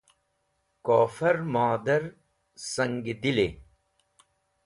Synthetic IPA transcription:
koːfɐɾmaːd̪ɐɾ | sɐŋɡid̪ile

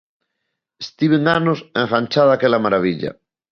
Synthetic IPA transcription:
est̪iβeŋanosẽŋχant͡ʃaðakelamaɾaβ̞iʎa̰

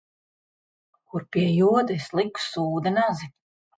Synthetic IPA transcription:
kuɾpʲiɛjuɔd̪eslˠiku̥suːd̪anazi

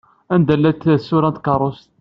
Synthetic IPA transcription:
ænd̪ælːæt̪ːsːuɾænt̪kɑrˤost̪

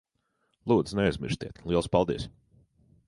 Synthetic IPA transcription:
lˠuːd̪znɛajzʲmḭɾsʲt̪ʲḭɛt̪lˠiɛlˠspalˠd̪ḭɛs

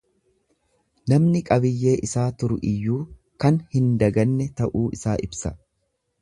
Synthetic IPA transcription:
nɐmnɪkʼɐbɪjːe̞ːʔɪsaːt̪ʊɾʊʔɪjːuː | kɐnhɪnd̪ɐɡɐnːɛt̪ɐʔuːʔɪsaːʔɪbsɐ

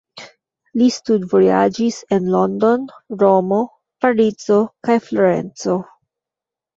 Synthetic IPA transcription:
listudvoja̰d͡ʒisenlondo̞nɾo̞mo̞ | faɾit͡so̞kajfloɾe̞̰nt͡so̞

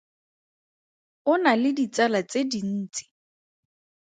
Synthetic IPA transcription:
ʊnalɪdit͡salat͡sedin̩ːt͡si̥

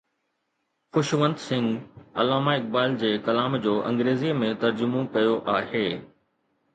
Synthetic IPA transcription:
xʊʃʋə̃nd̪sɪ̃ŋɡɐ̰laːmaɪk̚baːɪld͡ʑeːkɐlaːmd͡ʑoːʔɐ̰̃ŋɡɾeːzimẽt̪ɐɾd͡ʑʊmõkɐjoʔaːɦeː

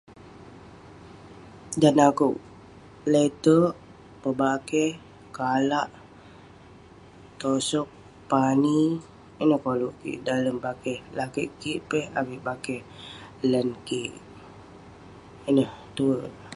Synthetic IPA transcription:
danakuw | let̪ə | pəbakɛh | kalaʔ | t̪osɔk̚ | pani | inəhkoluʔkḭʔdaləmbakɛhlakiʔkiʔpɛhabiʔbakɛh | lənkiʔ | inəht̪uə

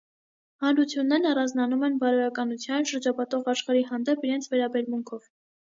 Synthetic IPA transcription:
hɑnɾut͡sʰjunːɛɾnɑrɑnd͡znɑnumɛnbɑɾɔɾɑkɑnut͡sʰjɑnʃəɾd͡ʒɑpʰɑt̪ɔʁɑʃχɑɾiɦɑnd̪ɛpiɾɛnt͡sʰvɛɾɑbɛɾmuŋkʰɔv

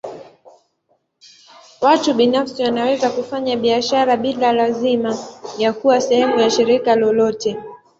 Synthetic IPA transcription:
watuɓinafsiwanawɛzakufaɲaɓiaʃaɾaɓilalazimajakuwasɛhɛmujaʃiɾikalɔlɔtɛ

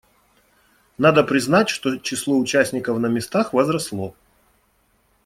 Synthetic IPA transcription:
nad̪əpɾʲɪznatʲʂt̪ot͡ɕɪslˠoʊt͡ɕæsʲnʲɪkəfnəmʲɪst̪axvɐzɾɐslˠo

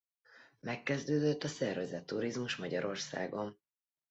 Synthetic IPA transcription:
mɛkːɛzd̪øːd̪øt̪ːɒsɛrvɛzɛt̪ːuɾizmuʃmɒɟɒɾo̞rsa̰ːɡo̞m

